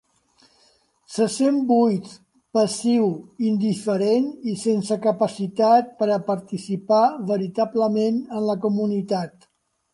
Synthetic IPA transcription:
səsembujt̪ | pəsiwind̪ifəɾenisensəkəpəsit̪at̪̚pəɾəpəɾt̪isipaβəɾit̪abləmenənləkumunit̪at̪

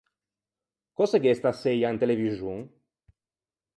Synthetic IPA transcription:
kɔseɡest̪asːejaent̪elevizuŋ

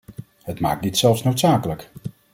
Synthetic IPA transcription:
ɦətma̰ːk̚ditsɛlˠfsnowtsaːkələk

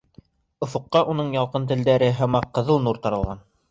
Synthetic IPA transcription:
ŏfŏqːɑʔunɤɴjɑlˠqɤnt̪ɘ̆ld̪æɾɘɦæmɑqːɤ̆ðɤlˠnuɾt̪ɑɾɤ̆lˠʁɑn

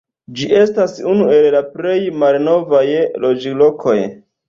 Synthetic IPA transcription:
d͡ʒiʔe̞stasunue̞llapɾe̞jmalno̞vajlo̞d͡ʒilo̞kʰo̞j

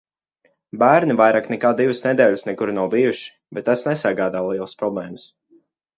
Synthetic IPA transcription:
bæːɾnivajɾaːknɛkaːd̪ivɨsnɛd̪ɛːʎʲɪsnɛkuɾnawbijuʃi̥bɛt̪̚ːasnɛsaɡaːd̪aːlˠiɛlˠəspɾɔblˠɛːməs

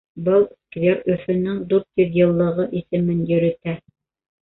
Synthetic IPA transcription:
bɤlˠskvʲeɾɵ̆fɵ̆nɘŋd̪uɾt̪jɵðjɤ̆lˠːɤ̆ʁɤʔisɘ̆mɘnjɵ̆ɾɘ̆t̪æ

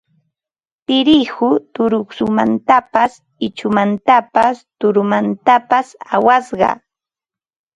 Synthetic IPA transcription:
pɪɾɪhʊt̪ʊɾʊksʊma̰nt̪apas | ɪt͡ʃʊmant̪apast̪ʊɾʊmant̪apasawasɢɑ̰

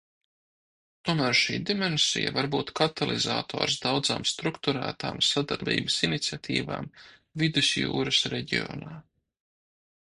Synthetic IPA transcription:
t̪uɔmæːɾʃiːd̪imɛnsḭja̰vaɾbuːt̪kat̪alˠʔizaːt̪ʰo̰ːɾsd̪awd̪zaːmst̪ɾukt̪uɾæ̰ːt̪a̰ːmsad̪aɾbḭːbəsinit̪sʲiat̪ʰḭːva̰ːmvid̪usjṵːɾəsɾeɟiɔ̰ːnaː

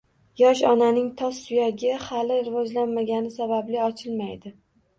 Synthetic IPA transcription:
jɒʃɒnanɪŋt̪ʰɒsːʊjaɡʲɪhalɪɾɪvɒd͡ʒlanmaɡʲanɪsabablɪɒt͡ʃʰɪlmajd̪ɪ

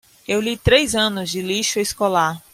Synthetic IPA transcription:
ewlit̪ɾejzɐ̃nʊzd͡ʒɪliʃʊeskolaɾ

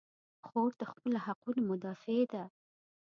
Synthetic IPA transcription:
xoɾd̪əxpəlahaqunomʊd̪ɑfed̪a

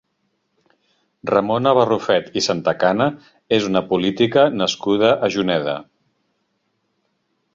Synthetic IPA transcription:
rəmonəβ̞ərufɛt̪isant̪əkanə | ezunəpulit̪ikənəskuð̞əʔːʒunɛðə̰

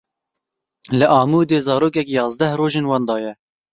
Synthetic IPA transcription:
lɨʔɑːmuːd̪eːzɑːɾoːkɛkjɑːzd̪ɛhroːʒeːnwɑːnd̪ɑːjɛ

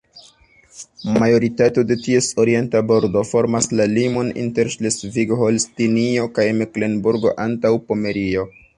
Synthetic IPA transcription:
majo̞ɾitato̞de̞tie̞so̞ɾie̞ntabo̞ɾdo̞fo̞ɾmaslalimo̞nḭnte̞ɾʃlesviɡholstinio̞kajmekle̞nbuɾɡo̞̰ʔantawpo̞me̞ɾio̞

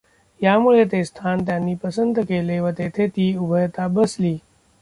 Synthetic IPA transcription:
jamuɭet̪est̪ʰant̪̬janːiːpəsənt̪əkeleʋət̪et̪ʰet̪iːubʱəjət̪abəsliː

